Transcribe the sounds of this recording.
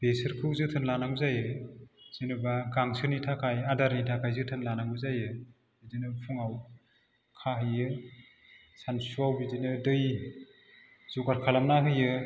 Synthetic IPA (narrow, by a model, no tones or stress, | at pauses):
b̥esɯɾkʰɯwzɯtʰɯnlanaŋbzajɯz̥inɯbaɡaŋsʰɯnitʰakʰajadaɾnitʰakʰajzɯtʰɯnlanaŋbɯzajɯ | bidinɯpʰuŋaw | kʰahɯjɯ | sansuawbidinɯdɯj | zukaɾkʰalamnaɦɯjɯ